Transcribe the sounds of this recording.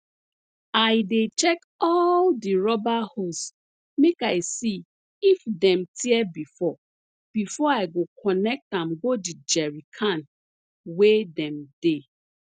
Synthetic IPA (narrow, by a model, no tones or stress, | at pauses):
aɪdet͡ʃɛk | ɔldiɹɔbahos | mekaɪsi | ifdɛ̃mtʰiɛbifɔ | b̥ifɔaɪɡokʰɔnɛk̚tãmɡodid͡ʒɛɹikʰãn | wedɛ̃mde